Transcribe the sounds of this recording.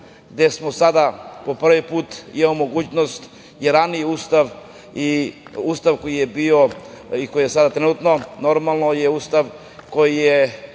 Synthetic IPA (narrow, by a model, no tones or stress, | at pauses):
ɡd̪esmosad̪apo̞pr̩ʋipuːt̪ḭmaomo̞ɡuːt͡ɕnost̪ | jeɾanijuːst̪aʋ | iust̪aʋko̞jijebioiko̞jijesad̪at̪ɾenut̪no̞no̞ɾmalˠnojeuːst̪aʋ | ko̞jije